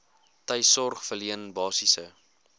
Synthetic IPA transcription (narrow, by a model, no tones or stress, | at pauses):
təjsɔrχfəliənbɑːsisə